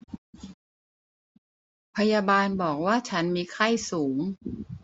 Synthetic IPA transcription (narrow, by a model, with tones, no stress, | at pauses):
pʰa˧jaː˧baː˧nbɔː˨˩k̚waː˥˩t͡ɕʰa˦˥nmiː˧kʰa˥˩jsuː˩˦ŋ